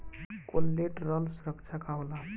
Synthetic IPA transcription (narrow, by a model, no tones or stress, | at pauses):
kolːeʈrʌlsuɾʌkt͡sʰakaɦola